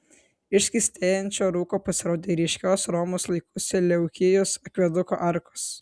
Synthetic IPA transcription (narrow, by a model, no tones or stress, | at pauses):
ɪʃʲsʲkʲɪsʲt̪ʲeːjɛnʲt͡ʃʲoːɾuːkoːpɐsʲɪɾoːd̪ʲeːɾʲiɛʃʲkʲoːsɾɔːmoːslˠɐɪkʰʊsʲɛlʲɛʊkʲɪjosɐkʋʲɛd̪ʊko̰ːʔɐɾko̥s